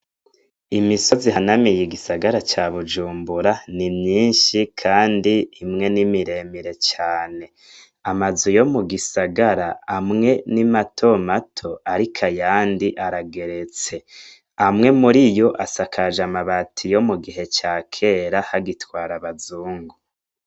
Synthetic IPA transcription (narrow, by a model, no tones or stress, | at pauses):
imiso̞ziɦanamijiɡisaɡaɾat͡ʃaβud͡ʒuːmbuɾanimɲiːnʃikʰaːndiːmŋe̞nimiɾe̞miɾe̞t͡ʃaːne̞ | amazujo̞muɡisaɡaɾaamŋe̞nimatʰo̞matʰo̞aɾikʰajaːndiʔaɾaɡe̞ɾe̞t͡se̞ | amŋe̞muɾijo̞ʔasakʰaʒamaβatʰijo̞muɡiɦe̞t͡ʃaːkʰe̞ɾahaɡitwaːɾaβazuːŋɡu